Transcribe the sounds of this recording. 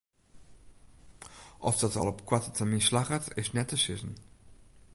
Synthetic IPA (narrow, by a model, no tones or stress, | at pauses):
ʔɔfd̥ɔtɑ̰lˠɔpkwatətʰəminslaχətɪsnɛtːəʃɪzən